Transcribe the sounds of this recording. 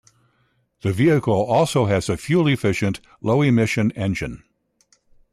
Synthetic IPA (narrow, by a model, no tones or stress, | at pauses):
ðɨviɨkl̩ˠɔlˠsoʊɨz̥ɨfjʉlˠiɨfɪʃɨ̃nʔ | loʊimɪʃɨ̃nɛ̃nd͡ʒɨ̃n